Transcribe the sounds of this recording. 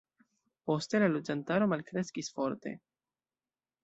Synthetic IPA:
po̞ste̞lalod͡ʒantaɾo̞malkɾe̞skisfo̞ɾte̞̰

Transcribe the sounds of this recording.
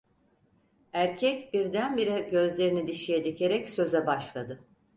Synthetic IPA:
æɾcʰɛcbiɾd̪ænbiɾɛɟø̞zlʲe̞ɾinid̪iʃijed̪icʰe̞ɾɛcsø̞zɛbaʃlˠad̪ɯ

